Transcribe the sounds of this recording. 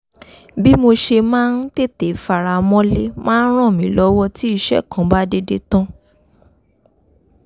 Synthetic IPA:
bi˦mo˧ʃe˧mãː˦n̩˦te˦˨te˨fa˨ɾa˧mɔ̃˦le˦mãː˦n̩˦ɾ̃ã˦˨mĩ˨˦lɔ˦wɔ˦ti˦i˦˧ʃɛ̰˦˨kã˨˦ba˦de˧de˧tã˦

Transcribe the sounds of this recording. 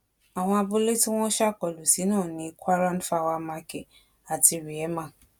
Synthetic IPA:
a˨w̃ɔ̃˧a˧bu˧le˦ti˦w̃ɔ̃˦ʃa˦˨kɔ˨lu˨si˨˦nãː˦˨nĩ˧˦kʰʷa˦ɾã˦nfa˦˧˨wa˧˦mã˧kɛ˨ | a˨ti˧ɾi˨ɛ˨˦mã˦˨

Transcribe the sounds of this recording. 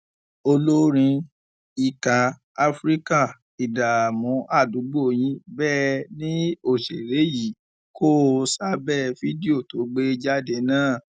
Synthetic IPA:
o˧lo˦ɾ̃ĩ˧ | i˨ka˨ | a˧fɾi˦ka˦˨ | i˨da˨mɔ̃˨˦ʔa˦˨du˨˦ɡ͡bo˦˨j̃ĩ˨˦bɛː˦˨nĩ˦o˦˨ʃe˨ɾe˨˦ji˨˦ | kʰo˦˧sa˦bɛ˦˨fi˦di˦o˦˨to˨˦ɡ͡be˦d͡ʒa˦de˧˦nãː˦˨

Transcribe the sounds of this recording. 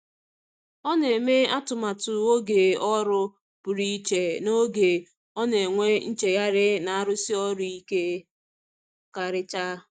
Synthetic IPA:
ɔ˦ne˨me˦a˦tʊ˨ma˨tʊ˨o˦ɡe˨ɔ˦ɾʊ˦ | pʊ˨ɾi˦t͡ʃe˨no˦ɡe˨ | ɔ˦ne˨ŋʷe˦n̩˦t͡ʃe˨ja˦ɾɪ˦na˨a˦ɾʊ˦si˦ɔ˦ɾʊ˦i˦ke˦ | ka˨ɾɪ˦t͡ʃa˦

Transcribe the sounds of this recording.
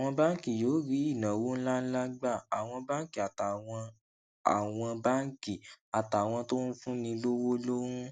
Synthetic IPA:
w̃ɔ̃˧ba˦ki˦˨jo˨˦ɾi˨˦i˦˨nã˨wo˦n̩˦la˦n̩˦la˦ɡ͡ba˦˨a˨w̃ɔ̃˧ba˦ŋ˦ki˦˨a˨ta˨ɔ̃˧ | a̰˨w̃ɔ̃˧ba˦ŋ̩˦ki˦˨a˨ta˨w̃ɔ̃˧to˦n̩˦fũ˦nĩ˧lo˦wo˦lo˦wũ˦

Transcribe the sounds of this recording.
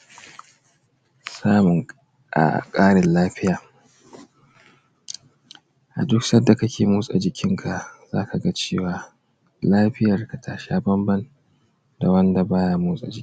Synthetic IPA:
saː˦mʊ˨ŋ | ʔa̰˨kʼaː˦ɽɪ˨nlaː˦ɸɪ˦jaː˨ | ʔa̰˨dʊ˦ksɐ˦dːa˨kɐ˦kʲeː˨muː˦sʼa˨d͡ʒɪ˨kʲɪ˦ŋkʰa˨ʔzaː˦kʰa˨ɡa˦t͡ʃeː˦˨waː˨ | laː˦ɸɪ˦jɐ˨rka˨tʰa˨ʃaː˦bɐ˦mbɐ˦n | da˨wɐ˦nda˨baː˦ja˦muː˦sʼa̰˨d͡ʒɪ˨˦

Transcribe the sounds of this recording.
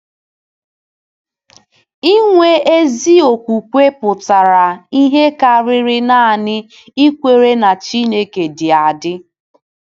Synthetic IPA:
i˦ŋʷe˦e˦zi˦o˨kʷu˨kʷe˦pʊ˨ta˨ɾa˨i˦ɦe˦ka˨ɾɪ˦ɾɪ˦na˦˨nɪ˦ | i˦kʷe˨ɾe˦na˨t͡ʃi˦ne˦ke˨dɪ˨a˨dɪ˦

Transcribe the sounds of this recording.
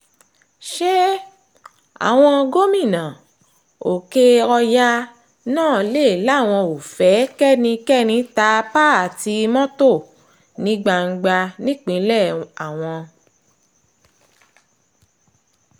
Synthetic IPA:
ʃɛ˦ | a̰˨w̃ɔ̃˧ɡo˦mĩ˦˨nã˨ | o˨ke˧ɔ˧ja˦ | nãː˦˨˦le˦˨la˦˨w̃ɔ̃˧o˨fɛ˨˦kɛ˦˨nĩ˧kɛ˦˨nĩ˧ta˧pa˦a˨ti˧mɔ̃˦to˦˨ | nĩ˨˦ɡ͡ba˧ŋ̩˧ɡ͡ba˧nĩ˦k͡pĩ˨˧˦lɛ˦˨a˨w̃ɔ̃˧

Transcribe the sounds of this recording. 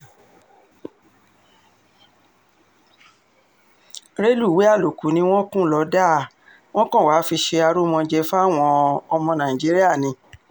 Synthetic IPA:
ɾe˦lu˦˨we˨˦a˦˨lo˨ku˨˦nĩ˧˦w̃ɔ̃˦kũ˦lɔ˨˧˦da˦˨ | w̃ɔ̃˦kɔ̃˦˨wa˨˦fi˧ʃe˧a˧ɾo˦mɔ̃˧d͡ʒɛ˧fa˦˨w̃ɔ̃˧ɔ˧mɔ̃˧nã˨ĩ˨d͡ʒi˨˦ɾi˦a˦˨nĩ˧

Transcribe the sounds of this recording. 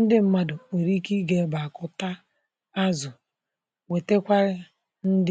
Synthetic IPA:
n̩˦dɪ˦m̩˦ma˦dʊ˨o˨ɾi˦ki˦ɡe˦ba˨kʊ˨ta˦ | a˦zʊ˨ | we˨te˦kʷa˦ɾɪ˦ | n̩˦d

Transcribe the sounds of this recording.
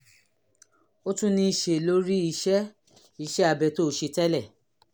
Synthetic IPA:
o˦tũ˦nĩ˧i˨ʃe˨lo˦ɾi˦i˧ʃɛ˦ | i˨˧˨ʃɛ˦a˧bɛ˧˨to˦˨ʃe˧tɛ˦lɛ˦˨

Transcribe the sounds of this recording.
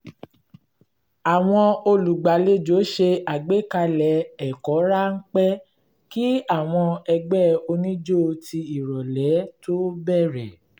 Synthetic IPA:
a˨w̃ɔ̃˧o˧lu˨ɡ͡ba˨le˦d͡ʒo˨˦ʃe˧a˨ɡ͡be˦ka˧lɛ˨˦ɛ˨kɔ˨˦ɾa˦ŋ̩˦k͡pɛ˦ | ki˦a˦˨w̃ɔ̃˧ɛ˧ɡ͡bɛ˦o˧nĩ˦d͡ʒo˦˧ti˧i˨ɾɔ˨lɛ˨˦to˦bɛ˦˨ɾɛ˨

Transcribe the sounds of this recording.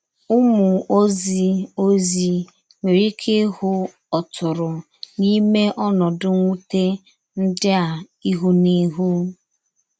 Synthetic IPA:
ʊ˦mʊ˨o˦zi˦o˦zi˦ | ŋʷe˨ɾi˦kʰe˦hʊ˦ | ɔ˨tʰʊ˨ɾʊ˨ | ni˦me˦ʔɔ˦nɔ˨dʊ˦ŋʷu˦te˦ | n̩˦dɪ˦a˨ | i˦ɦu˦ni˦ɦu˦

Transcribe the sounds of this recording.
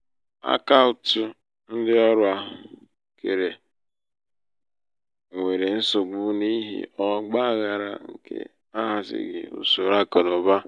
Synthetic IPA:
a̰˦ka˦ʊ˨tʊ˦ | n̩˦dɪ˦ɔ˦ɾʊ˦a˨˦ | kʰe˨ɾe˨ | ŋʷe˨ɾe˨n̩˦so˨ɡ͡bʊ˦ni˦ɦḭ˦ɔ˦ɡ͡ba˦˨ɣa˨ɾa̰˨ŋ̩˦kʰḛ˦ | a˦ɦa˨sɪ̰˨ɡɪ̰˨ṵ˨so˨ɾa˦kɔ˨no˨ba˦

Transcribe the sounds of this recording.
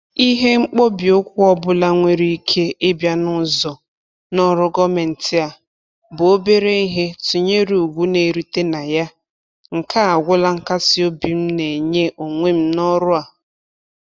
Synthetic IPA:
i˦ɦe˦ŋ͡m̩˦k͡po˦bi˨o˦kʷʊ˦ɔ˦bʊ˦la˦ŋʷe˦ɾi˦i˦kʰe˦e˦bja˦nʊ˦zɔ˨ | nɔ˦ɾʊ˦ɡɔ˦me˨n̩˨tɪ˦a˨ | bʊ˨o˦be˦ɾe˦i˦ɦe˦tu˨ɲe˦ɾu˨u˨ɡʷu˦ne˨ɾi˦te˦na˨ja˦ | ŋ̩˨kʰa˦a˨ɡʷʊ˦la˦ŋ̩˨ka˦si˦o˦bi˨m̩˦ne˨ɲe˦ʔo˨ŋʷe˦m̩˦nɔ˦ɾʊ˦a˨

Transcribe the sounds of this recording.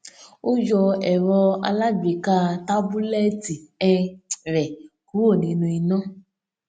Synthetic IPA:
o˦d͡ʒɔ˧ɛ˨ɾɔ˧a̰˧la˦ɡ͡bi˨ka˦ta˦bu˦lɛ˦ti˨ɛ˦ɾɛ˨ | ku˦o˦˨nĩ˧nũ˧i˧nɔ̃˦

